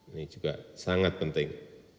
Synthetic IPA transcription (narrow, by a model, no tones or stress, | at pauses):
nid͡ʒuɡasaŋat̪̚pənt̪ɪŋ